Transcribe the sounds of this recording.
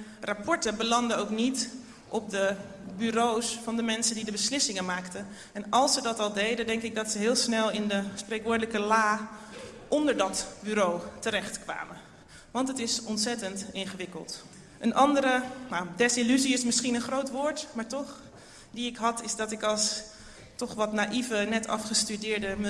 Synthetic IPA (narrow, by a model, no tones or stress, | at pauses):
rapʰɔɹtəbəlɑndəowknit | ʔɔp̚dəbyɾowsfɑndəmɛnsəndidəbəslɪsɪŋənmaːktə | ɛnɑlˠsədɑtɑlˠdejdəndɛŋkɪk̚dɑtsəɦɪːlˠsnɛlˠɪndəsprejkʋʊːɹdələkəlaː | ʔɔndəɹdɑtbyːɾowtəɾɛχtkʋa̰ːmə | ʋɑntətɪsɔntsɛtəntɪnχəʋɪkə̰lˠt | ʔənʔɑndəɾənadɛsilyziɪsmɪsχinənχrowtʋʊːɹtmaːɹtɔχ | diɪkɦɑtɪzdɑtɪkɑlˠs | tɔχʋɑtnaʔivənɛtɑ̰fχəstydɪːɹdəm